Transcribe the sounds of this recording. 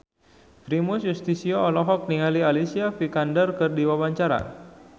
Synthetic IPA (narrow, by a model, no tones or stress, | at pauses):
fɾimʊsjust̪isioɔlɔɦɔk̚niŋalialisiafikandərkɨrdiwawaɲt͡ʃaɾa̰